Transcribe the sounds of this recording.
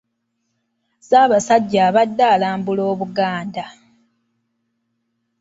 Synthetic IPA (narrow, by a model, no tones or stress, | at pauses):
zaːβasaɟːaːβadːaːlaːmbulo̞ːβuɡaːnda